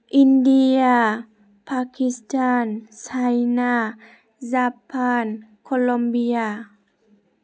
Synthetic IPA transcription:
ʔindija | pʰakʰistʰaːnsʰajna | zaːpʰaːnkʰolombia

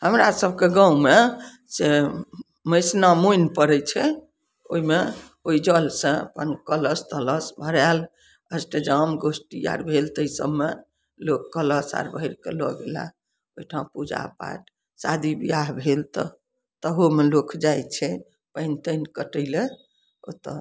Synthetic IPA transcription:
həmɾasəbʱkeɡãume | se | məjsnamoinpəɾɛt͡ʃʰɛ | o̰ɦime | oid͡ʒəlsə̃ə̰pənkələst̪ələsbʱəɾɛl | əsʈed͡ʒamɡosʈia̰ɾbʱelt̪əisə̰bme | lokːələsa̰ɾbʱəiɾkelɔɡela̰ | oiʈʰaũpud͡ʒa̰pa̰ʈ | sad̪ʱibijaɦbʱelt̪ɔ̰ | t̪əɦomelokʰd͡ʒajt͡ʃʰɛ | pə̃int̪ənkəʈəɪle | o̰t̪

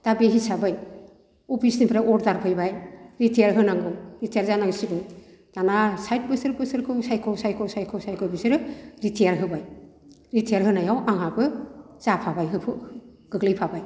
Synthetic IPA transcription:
d̥abeɦisabɯj | upʰisnipʰɾaɔɾdaɾpʰɯjbajɾitʰejaɾɦɯnaŋɡɯwɾitʰejaɾzanaɡsɯbɯj | d̥anasajt̚bɯsɯɾbɯsɯɾkʰɯwsajkʰɔwsajkʰɔwsajkʰɔwsajkʰɔwbisɯɾɯɾitʰejaɾɦɯbaj | ɾitʰejaɾɦɯnajawʔaŋabɯ | z̥apʰabajɦɯpʰɯ | ɡ̥ɯɡlɯjpʰabaj

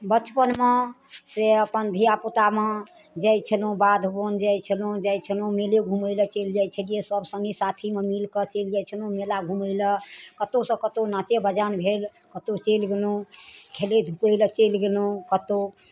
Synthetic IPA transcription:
bət͡ʃpənme | seəpənd̪ʱijaput̪ame | d͡ʒɛjt͡ʃʰəlũbad̪ʱbond͡ʒajt͡ʃʰəlũd͡ʒajt͡ʃʰəlũmeleɡʱuməɪlət͡ʃeld͡ʒajt͡ʃʰəlijesəbsə̃ŋɡisat̪ʰimemilkət͡ʃeld͡ʒajt͡ʃʰəlũmelaɡʱuməɪləkət̪osə̃kət̪onat͡ʃebəd͡ʒanbʱel | kət̪ot͡ʃelɡelũkʰeled̪ʱupəjlət͡ʃelɡelũkət̪o

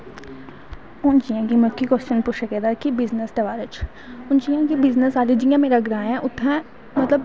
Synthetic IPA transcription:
ʊ̃nt͡ʃijãkimʊkːikɔst͡ʃənpʊʃəked̪aɾkibɪznəsʈ̪ɐʋaːɾət͡ʃ | ʊnt͡ʃijãkibɪznəsaːlid͡ʒijãmẽɾɐɡɾaːeɦɛ̃ʔʊt̪ʰɛ̃ | mɐt̪ləb

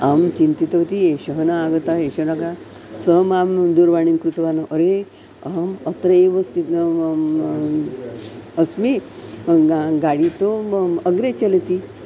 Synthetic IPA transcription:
amt͡ʃint̪it̪ʋt̪ieɕəɦənaːɡət̪aeɕɐnaka | səɦmamd̪uɾʋaɳ̃inkɾut̪ʋanəʔəɾe | əɦmət̪ɾəeʋəst̪it̪ | əsmi | ɡaɽit̪oəɡɾet͡ɕelt̪i

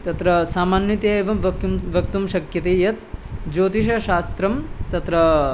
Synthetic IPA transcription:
t̪ɐt̪ɾɐsaːmaːnjɐt̪jeeːʋɐmʋʋɐk̚t̪umʃɐkjɐt̪eːjɐt̪̚d͡ʒoːt̪iʃɐʃaːst̪ɾɐmt̪ɐt̪ɾɐ

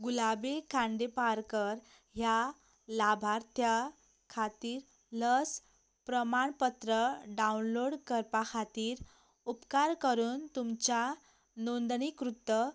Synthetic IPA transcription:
ɡulabekʰãɳɖ̪epaɾkəɾ | ɦja | labʱaɾt̪ʰja | kʰat̪iːɾ | ləs | pɾəmaɳpət̪ɾəɖaunloɽkəɾpakʰat̪iːɾ | upkaɾkəɾuːnt̪umt͡ɕa | nond̪ɳikɾut̪ːə

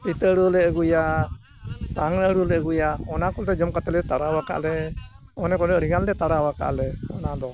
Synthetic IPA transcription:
it̪əɾulɛəɡuja | saŋɾɾulɛɡujaɔnakɔlt̪ɛd͡ʒɔmkat̪ɛlɛt̪aɾawaka̰ʔlɛ | ɔnɛkɔnəɾiɡandɛt̪aɾawaka̰ʔlɛɔ̰nad̪ɔ

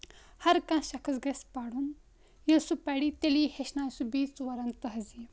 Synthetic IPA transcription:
hɐɾkãɕɐkʰɐsɡespaɽuːn | jɐsupaɽit̪eliheɕnajsubiːt͡sʋɐɾant̪ɐɦɐzi

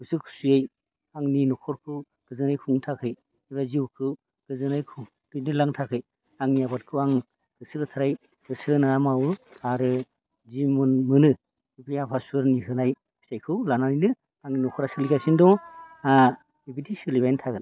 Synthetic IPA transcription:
ɡɯsɯkʰu̥sujaj | aŋninɔkʰɔɾkʰɯw | ɡ̥ɯzɯnajkʰuŋtʰakʰɯj | iβaziwkʰɯw | ɡ̥ɯzɯnajkʰɯ | dɯnɯlaŋtʰakʰɯj | aŋnijabat̚kʰɯwaŋ | ɡ̥ɯsɯkɯtʰaɾaj | ɡ̥ɯsɯɯnaamawɯaɾɯ | zimunmɯnɯ | ibijapʰasuɯɾniɦɯnajʰ | i̥sajkʰɯwlananinɯ | aŋninɔkʰɔɾasɯlikasindɔa | ibidisɯlibajntʰaɡɯn

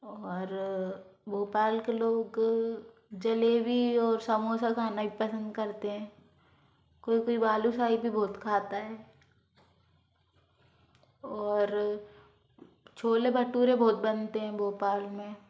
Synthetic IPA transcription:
ɔːɾ | bʱoːpaːlkeloːɡ | d͡ʒɐlebʱiɔːɾsəmoːsakʰaːnabʱipɐsə̃nd̪kɐɾt̪eɦɛ̃ː | koːikoːibaːlusaːibʱibʱɔːt̪kʰaːt̪aɦɛː | ɔːɾ | t͡ʃʰoːlebʱɐʈːuːɾẽbʱɔːt̪̚bɐnt̪eɦɛ̃bʱoːpaːlmẽ

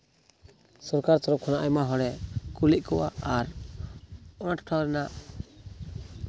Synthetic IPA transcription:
sɔɾkaɾt̪ɔɾɔp̚kʰɔnaʔajmaɦɔɽɛkuliʔ̚kɔwaaɾ | ɔnaʈʈʰawɾɛnaʔ

